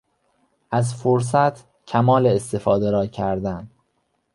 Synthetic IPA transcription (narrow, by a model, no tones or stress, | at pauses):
ʔæzfoɾs̬æt̪ʰ | cʰæmɒːleest̪e̞fɒːd̪eɾɒːcʰæɾd̪æn